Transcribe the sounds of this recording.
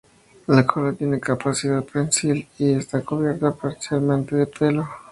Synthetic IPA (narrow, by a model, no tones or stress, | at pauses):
lakʰolat̪je̞nekapasiðaðpensiliest̪akoβje̞ɾt̪apaɾsjalmẽnt̪e̞ðepʰe̞lo